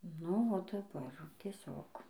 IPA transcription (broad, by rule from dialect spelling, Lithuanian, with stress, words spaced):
nʊ oː dɐˈbɐr tʲiɛˈsʲoːk